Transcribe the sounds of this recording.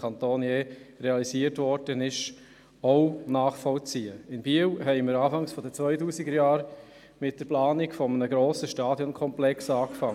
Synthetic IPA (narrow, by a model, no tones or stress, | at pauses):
kʰɑnt̪oːnjeːɾeɑlisiːətʋɔɾdənɪʃ | oʊnɑːχfɔlt͡siːəɪnbiəwɦɛɪməɾɑːfɑŋsfɔdət͡sʋœʏtuːsiɡəɾjɑːɾ | mɪt̚d̥əɾplɑːnɪkfɔmənəɡɾoːsəʃtɑːdjɔnkʰɔmplɛksɑːkfɑŋ